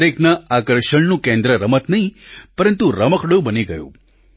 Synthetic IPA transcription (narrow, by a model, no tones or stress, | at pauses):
ɾeknaakəɾʃəɭnũkẽnd̪ɾəɾəmət̪nɐɦĩpəɾənt̪uɾəməkʰɽobəniɡəjṵ̃